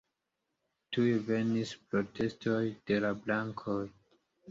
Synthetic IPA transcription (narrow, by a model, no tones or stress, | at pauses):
tujve̞nispɾo̞tʰe̞sto̞jd̥e̞lablaŋkʰoj